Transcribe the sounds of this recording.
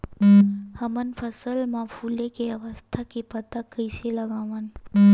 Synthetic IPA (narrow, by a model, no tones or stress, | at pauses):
hɐmənfʰəsəlmaːfʰuːlekeɐʋəst̪ʰakipɐt̪akəɪselɐɡaːʋən